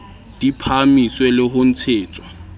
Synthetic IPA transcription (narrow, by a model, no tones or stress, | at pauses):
d̥ipʰamiswɛlɪɦʊn̩t͡sʰeːt͡sʰʼwa